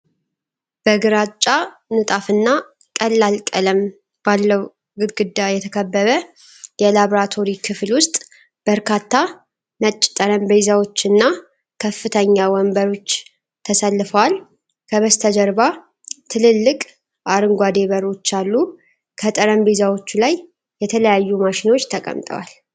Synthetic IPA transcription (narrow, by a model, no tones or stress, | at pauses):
b̥əɡɨɾat͡ʃʼːa | nɨt̪ʼafɨnːa | kʼəlːalkʼələm | b̥alːəw | ɡɨd̪ɡɨd̪ːajɛt̪ʰəkʰəbːəβə | jɛlaβɾat̪ʰo̞ɾikʰɨflwʊst̪ʼ | b̥əɾkʰat̪ʰːa | mət͡ʃʼːt̪ʼəɾəmbezawo̞t͡ʃːɨnːa | kʰəfɨt̪ʰəɲːawɔmbəɾo̞t͡ʃː | t̪ʰəsəlːɨfəwal | kʰəβəst̪ʰəd͡ʒəɾba | t̪ʰɨlɨlːɨkʼ | ʔaɾɨŋɡʷad̪e̞βəɾo̞t͡ʃːalːu | kʰət̪ʼəɾəmbe̞zawo̞t͡ʃːulajː | ɛt̪ʰələjajːumaʃɪno̞t͡ʃːt̪ʰəkʼə̰mt̪ʼə̰wa̰l